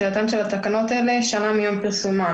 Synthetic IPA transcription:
ejat̪amʃelat̪akano̞t̪aeleʃanamijompiʁsuma

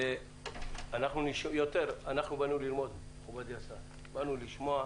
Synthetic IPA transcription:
e | anaχnuniʃjot̪eʁanaχnubanulilmo̞d̪ | χubad̪jasa | banuliʃmoa

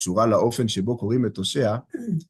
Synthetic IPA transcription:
suʁalaofɛnʃebokoʁimetosea

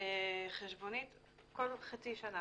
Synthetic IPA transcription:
eχeʃbonit̪ | kolχat͡siʃana

